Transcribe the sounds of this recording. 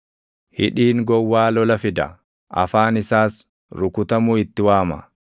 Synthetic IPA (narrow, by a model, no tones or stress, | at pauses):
hɪ̰ᶑiːŋɡɔwːaːlɔlɐfɪd̪ɐ̰ | ʔɐ̰faːnɪsaːs | ɾʊkʊt̪ɐmʊːɪt̪ːɪwaːmɐ̰